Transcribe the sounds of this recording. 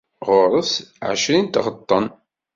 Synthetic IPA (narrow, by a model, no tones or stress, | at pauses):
ʁʊɾˤəsʕə̰ʃɾint̪ʁət̪ˤːən